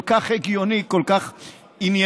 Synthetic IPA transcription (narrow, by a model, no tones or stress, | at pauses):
kaχɾeɡjonikolkaχ | inje